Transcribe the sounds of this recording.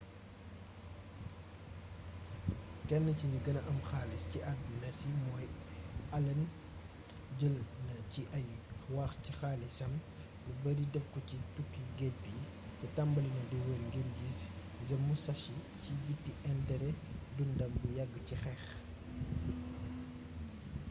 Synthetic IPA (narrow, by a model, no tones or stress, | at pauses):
kɛnːəciɲiɡɐnɐʔɐmxaːlisciʔɐunɐsimɔːjɐlɐn | ɟəlnɐciʔɐjwɐxcixaːlisɐm | bubɐdidɛfkɔcitukːiɡɛt̚bi | tɛtɐmbɐlɐnɐduwənɡiɾɡis | zɐmːusɐʃicibitːiʔɛndɛɾɛdundɐmbujɐɡːcixɛx